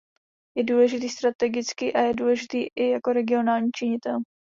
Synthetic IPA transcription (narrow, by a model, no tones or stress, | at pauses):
jɛduːlɛʒɪt̪iːst̪ɾat̪ɛɡɪt͡skiːʔajɛduːlɛʒɪt̪iːʔɪjako̞ɾɛɡɪo̞naːlɲiːt͡ʃɪɲɪt̪ɛl